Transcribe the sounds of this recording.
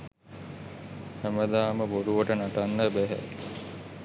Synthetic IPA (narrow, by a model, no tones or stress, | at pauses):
hæməd̪aːməboɖuʋəʈənaʈanːəbæɦæ̰